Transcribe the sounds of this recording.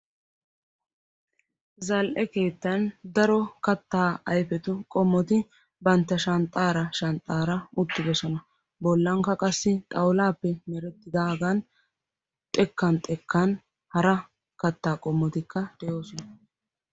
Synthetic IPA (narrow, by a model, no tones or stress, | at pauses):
zɐlʔɛke̞ːt̪ːɐnd̪ɐɾɔkɐt̪ːaːɐjfɛt̪ʊkʼɔmːɔt̪ɪ | bɐnt̪ːɐʃɐnt̪ʼːaːɾɐʃɐnt̪ʼːaːɾɐʊt̪ːɪbɛʃɐnɐ | bɔlːɐŋkɐkʼɐsːɪt̪ʼɐwlaːpːɛmɛɾɛt̪ːɪd̪aːɡɐn | t̪ʼɛkːɐnt̪ʼɛkːɐn | hɐɾɐ | kɐt̪ːaːkʼɔmːɔt̪ɪkːɐd̪̥ɛjo̞ːsɔnɐ